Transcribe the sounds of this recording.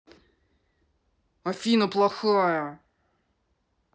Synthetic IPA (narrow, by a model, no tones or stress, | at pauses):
ɔfʲinʊplˠɔxɔjɐ